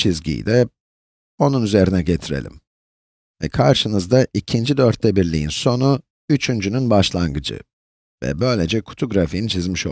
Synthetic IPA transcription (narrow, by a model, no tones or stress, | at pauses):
t͡ʃʰizɟḭjd̪ɛ | o̞nunyze̞ɾinɛɟet̪ʰiɾḛlʲḭm | vɛ̰kʰaɾʃɯnɯzd̪aʔicʰind͡ʒid̪ø̞ɾt̪ʰːɛbiɾlʲḭjinso̞nu | yt͡ʃʰynd͡ʒynynbaʃlˠanɡɯd͡ʒɯ̰ | vɛ̰bø̞jlʲed͡ʒɛkʰu̥t̪ʰuɡɾafijint͡ʃʰizmiʃo̰